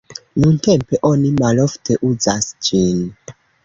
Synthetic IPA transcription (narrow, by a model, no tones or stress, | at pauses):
nunte̞mpe̞ʔo̞nimalo̞ftʰe̞ʔuzasd͡ʒin